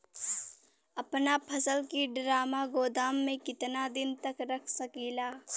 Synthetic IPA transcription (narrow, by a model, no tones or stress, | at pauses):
ɐpnapʰɐsəlkiɖɾaːmaɡoːd̪aːmːẽkɪt̪nad̪ɪnt̪ɐkɾɐkʰsɐkiːlaː